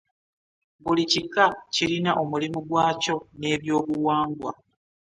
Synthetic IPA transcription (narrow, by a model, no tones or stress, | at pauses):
βulicikːaciɾinaʔo̞mulimuɡwaːco̞ne̞ːβjo̞ːβuwaːŋɡwa̰